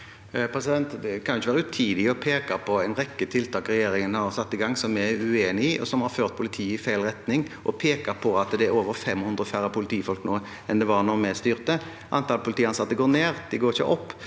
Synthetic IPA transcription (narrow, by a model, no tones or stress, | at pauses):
pʰɾɛsɪd̪ɛnt̪d̪ɛkʰɑnʊɪçəʋæːɾəʉt̪ʰiːd̪ɪɔpʰeːkɑpʰɔɛɪnʁɛkːət̪ʰɪlt̪ʰɑːkɾɛjeːɾɪŋənhɑɾsɑt̪ːɪɡɑŋːsɔmɛʉeːnɪɪʔɔ̰sɔmhɑɾføːʁt̪̚pʰʊlɪt̪ʰiːɪfæɪlʁɛt̪nɪŋʔɔpʰeːkɑpʰɔɑt̪d̪ɛæɾoːʋəɾfɛmhʉnd̪ʁəfæɾəpʰʊlɪt̪ʰiːfɔlknoː | ɛnd̪ɛʋɑʁnɔmɛst̪yːʁt̪ə | ʔɑ̰nt̪ɑlpʰʊlɪt̪iːɑnsɑt̪ːəɡoːɾneːʁd̪ɛɡoːɪçə̰ʔɔpː